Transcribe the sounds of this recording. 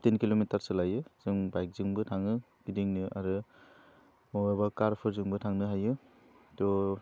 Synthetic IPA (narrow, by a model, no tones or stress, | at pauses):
tinkilomitaɾsɯlajɯzɯŋbajk̚zɯŋbɯtʰaŋɯ | b̥idiŋnɯʔa̰ɾɯ | mɔbabakaɾpʰɯɾzɯŋbɯtʰaŋnɯɦajɯ | tɔ